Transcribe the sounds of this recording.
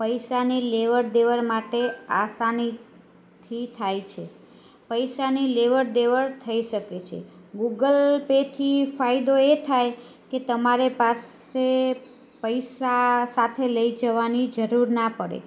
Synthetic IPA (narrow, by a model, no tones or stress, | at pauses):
pəjsanileʋəɾɖ̪eʋəɾmaʈeasani | t̪ʰit̪ʰajt͡ʃʰe | pəjsanileʋəɾɖ̪eʋəɾt̪ʰəiʃəket͡ʃʰḛ | ɡuɡəlpet̪ʰifʰaid̪oet̪ʰaj | ket̪əmaɾepase | pəjsasat̪ʰeləid͡ʒəʋanid͡ʒəɾuɾnapəɽḛ